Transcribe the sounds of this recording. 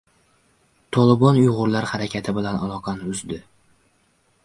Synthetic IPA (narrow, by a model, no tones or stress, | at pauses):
t̪ʰɒlˠɪbɒnʊjʁʊɾlaɾhaɾakʲʰat̪ʰɪbɪlanalˠɒqʰɑnɪʊzd̪ɪ